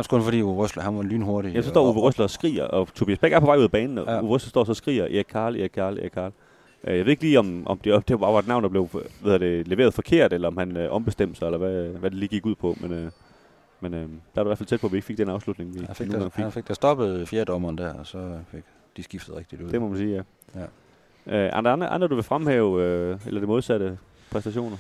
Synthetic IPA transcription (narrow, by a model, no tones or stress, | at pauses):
ɑskʰɔnfɒdḭːuʁɔslhænʋɑlyːnho̝ɐɾijæmsɒsdɒ̰ːuʋeʁøslɐsɡ̥ʁḭːɐʔɒ̽t͡sʰo̝b̥iːæsb̥eɡ̥æɐpʰɒɑ̈ɪuð̰ˠɐbɛːnn̩uːʋʁœslɐsd̥ɒ̰ːsɒ̽sɡ̥ʁḭːɐʔḛɡkʰːɑ̈ːleɡkʰɑ̈ːlḛkʰːɑ̈ːl | ʔøjɑʋeðˠeɡliːɒ̽mʔɒmd̥e̝d̥eb̥ɑ̈ːʋɑ̈ed̥nɑ̈ʊnd̥ɑble̝ʊeððˠɐd̥e̝leʋe̝ːɐð̩ˠfɒ̽kʰe̝ɐ̰d̥elɐɒ̽mhænøʔɒ̽mb̥e̝sd̥em̰d̥sɑ̈elɐʋæʋæd̥eliːɡ̥iɡ̥uð̰ˠpʰɒ̽menø | menød̥ɑɑɾuiæɐfælt͡sʰed̥̚pʰɒʋie̝ɡ̥feɡ̥d̥enɑ̈ʊslud̥ne̝ŋʋi̥noːnɡɑ̰ŋfeɡfeɡ̥̚d̥æsd̥ɒ̽b̥əð̩ˠfjeɐd̥ɒmɐːnd̥æɐɒsɒ̽feɡ̥ | d̥isɡ̥ifd̥ð̩ˠʁɛɡ̥d̥id̥uð̰ˠd̥e̝mɒ̽mænsiːjæ | ʔøʔɑ̰ndnʔɑ̰nd̥ʁɐd̥uʋe̝fʁamhɛːʊøelɐd̥emoð̞ˠsæɾ̥ə | pʰʁɛsd̥æɕo̝̰ːnɐ